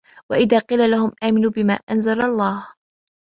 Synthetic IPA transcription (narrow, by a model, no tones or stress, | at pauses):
waʔɪðaːqiːlalahʊmʔaːmɪnuːbɪma̰ːʔanzalalˤːɑːh